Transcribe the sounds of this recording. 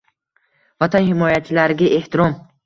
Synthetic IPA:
vat̪ʰanhɪmɒjat͡ʃʰɪlaɾɡʲaʔe̞ht̪ʰiɾɒm

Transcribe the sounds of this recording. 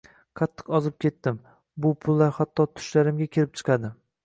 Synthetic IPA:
qʰɑt̪ʰːɨ̥qɒzɪp̚kʲe̞t̪ːɪm | bʊpʰʊlˠːaɾhat̪ʰːɒt̪ʰʊ̥ʃlaɾɪmɡʲakʲʰelɪp̚t͡ʃʰɨ̥qʰɑd̪ɪ

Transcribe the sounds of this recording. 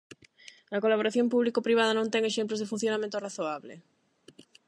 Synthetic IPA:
ɐkolaβ̞oɾaθjõmpuβlikopɾiβ̞aðɐnõnt̪ɛŋeʃemplozðefun̟θjonamẽnt̪oraθoaβlḛ

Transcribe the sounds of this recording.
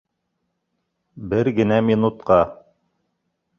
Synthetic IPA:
bɘɾɡɘ̆næmʲinut̪qɑ

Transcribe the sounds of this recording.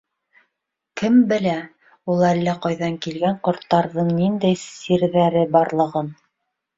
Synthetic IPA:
kɘmbɘ̆læ | ulˠælːæqɑjðɑŋkilɡæɴqŏɾt̪ːɑɾðɤɴnind̪æjsiɾðæɾɘbɑɾlˠɤ̆ʁɤn

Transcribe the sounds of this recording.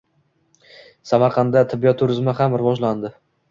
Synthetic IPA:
samaɾqʰɑnd̪at̪ʰɪbːijɒt̪ʰːʊɾɪzmahamɾɪvɒd͡ʒland̪ɪ

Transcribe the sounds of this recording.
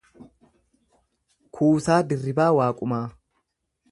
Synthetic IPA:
kʰuːsaːd̪ɪrːɪbaːwaːkʼʊmaː

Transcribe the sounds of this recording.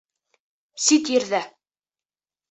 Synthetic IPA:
sit̪jɘ̆ɾðæ

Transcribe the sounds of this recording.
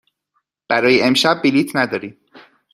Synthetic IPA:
b̥æɾɒːjeemʃæb̚ːiliːt̪ʰnæd̪ɒːɾiːm

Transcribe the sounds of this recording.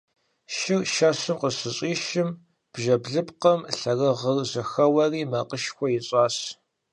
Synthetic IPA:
ʃɪrʃasɨmqəsɨɕʼiːʃɪm | b̥ʒɐbɮɨpqɐmɬɐrɐʁərzɐxɐwɐriːmɐqəʃxʷɔjɪɕʼɑːɕ

